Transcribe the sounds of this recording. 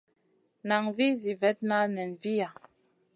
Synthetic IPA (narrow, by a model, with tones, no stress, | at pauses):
na˨ŋvi˦zi˨vɛ˨˦t̚na˦nɛ˨nvi˦ja˨